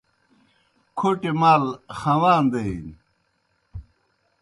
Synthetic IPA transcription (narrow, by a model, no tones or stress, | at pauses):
kʰoʈemaːlxɐwaːnd̪ein